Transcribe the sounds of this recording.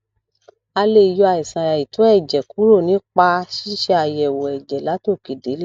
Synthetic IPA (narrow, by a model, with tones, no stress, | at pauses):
a˧le˧˨˧jo˧a˧˨i˨sã˨ɾa˨i˨to˨˦ɛ˦˨d͡ʒɛ˨ku˨˦ɾo˦˨nĩ˨˦k͡pa˧ʃi˦ʃe˧a˧˨jɛ˨wɔ˨ɛ˨d͡ʒɛ˨la˨˦to˦˨ki˨de˨˦l